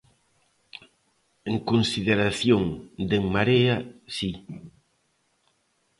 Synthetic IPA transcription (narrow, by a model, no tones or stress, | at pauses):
eŋkonsiðeɾaθjoŋd̪eŋmaɾeasi